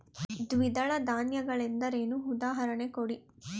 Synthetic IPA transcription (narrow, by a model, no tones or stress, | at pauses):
d̪ʋid̪ɐɭɐd̪aːnjɐɡɐɭind̪ɐɾeːnuud̪aːɦɐɾɐɳekoɽi